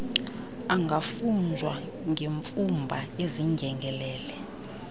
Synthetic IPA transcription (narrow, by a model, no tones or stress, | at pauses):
aŋɡʱafund͡zʱwa̰ | ŋʱeɱfumbʱaeziŋʱɛŋɡʱɛlɛːlɛ